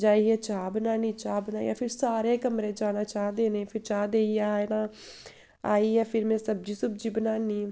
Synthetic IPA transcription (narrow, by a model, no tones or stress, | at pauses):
d͡ʒaːiɛt͡ʃaːbənaːniːt͡ʃaːbənaːḭja̰ːpʰɪɾsaːɾeːkəmɾẽːd͡ʒaːnaːt͡ʃaːd̪eːnẽːpʰɪɾt͡ʃaːd̪eːijaːenãː | aːiːɛːpʰɪɾmɛ̃ːsəb̚d͡ʒiːsəb̚d͡ʒiːbənaːniː